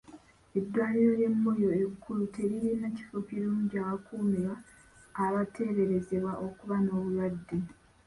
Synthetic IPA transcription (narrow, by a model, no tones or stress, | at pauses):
e̞dːwaːliɾoɾje̞mːojo̞ekʰːulute̞ɾijenaci̥fokiɾuːɲɟiaːβakuːmiɾaː | βatʰe̞ːβe̞ɾe̞ze̞βwaʔo̞kuβano̞ːβuladːe